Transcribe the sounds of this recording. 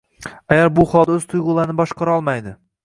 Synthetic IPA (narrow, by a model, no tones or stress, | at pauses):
ajaɾbʊχɒlˠd̪aɵz̥t̪ʰʊjʁʊlˠaɾɪnɪbɒʃqʰɑɾaɒlˠmajd̪ɪ